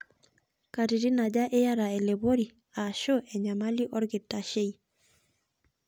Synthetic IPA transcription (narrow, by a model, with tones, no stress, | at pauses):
ka˨ɾi˨ɾi˦na˨ɟa˦ʔe˦ja˦ɾa˨ɛ˨le˨bo˦ɾi˨ | a˨ʃo˦ʔɛ˨ɲa˨ma˦li˦ʔɔ˦ɾɡe˨tːa˨ʃe˦i˨